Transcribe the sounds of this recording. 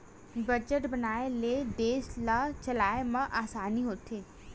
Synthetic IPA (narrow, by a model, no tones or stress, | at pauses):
bɐd͡ʒəʈbɐnaːeleːd̪eːʃlat͡ʃɐlaːemãʔaːsaːniɦoːt̪ʰeː